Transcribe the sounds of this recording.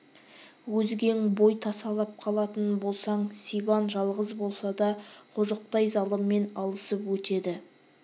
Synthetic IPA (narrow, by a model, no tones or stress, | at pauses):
wɵzɡʲe̞ŋbo̞jt̪ʰɑsɑlˠɑp̚qʰɑlˠɑt̪ənbo̞lˠsɑɴsijbɑnʒɑlˠʁəzbo̞lˠsɑd̪ɑqʰʊʒəq̚t̪ɑjzɑlˠəmːe̞nɑlˠəsəpwɵt̪e̞d̪ɪ